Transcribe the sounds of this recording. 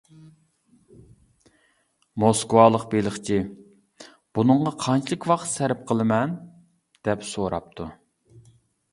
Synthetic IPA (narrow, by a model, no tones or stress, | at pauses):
moskwɑlˠəqbelɪχt͡ʃʰi | b̥unɨɴʁɑqʰɑnt͡ʃʰilˠɨkʲwɑqt̪sæɾɪp̚qʰəlˠɨmɛn | d̪̥ɛpsoɾɑ̰p̚t̪ʰu